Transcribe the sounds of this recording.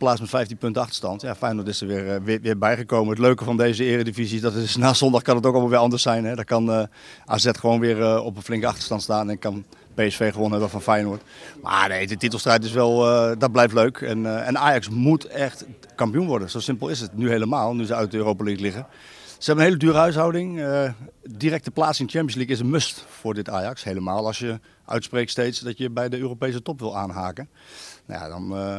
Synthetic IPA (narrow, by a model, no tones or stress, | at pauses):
plaːt͡smɛtfɛjftinpɵntəɑxtə̥ɹstɑntjafɛjnoətɪsəʋɪrʋʋɪbɛjχəkowməətløɥkəfɑndejzəɪːrədifizisdɔtsnaːsɔndɑχkɑnətowkɑlˠmaʋɪːɑndəɹsɛjnɦɛdɔkɑn | ʔa̰sɛtχəʋoːnʋɪːrɔpənflɪŋkəɑ̰xtə̥stɑntstaːnɛnɪkːɑn | peɛsfeːxəʋonɛʋɛfɔnfɛjnoətma̰nejdətit̬əlˠstrɛjtɪsʋɛlˠdɔt̚blɛjftløɥkʰɛ̰nɛ̰naːjɑksmutɛxt | kɑmpijunʋɔɹdənsowsɪmpəlˠɪsətnyhejləmaːlˠnyzəœɥt̚dəøːroːpaliklɪɣə | səɦɛbənɦeːlədyːɾəɦœɥs̬ɦawdɪŋədirɛk̚təplaːt͡sɪnət͡ʃɛmpiənslikɪsənmøstfʊːrdɪtaːjɑkshejləmaːlˠɑsjə | ʔœ̰ɥtsprektstejtsdɔtjəbɛjdəøːropejs̬ətɔpʋɪlˠaːnɦaːkənna̰ja̰dɔ̰n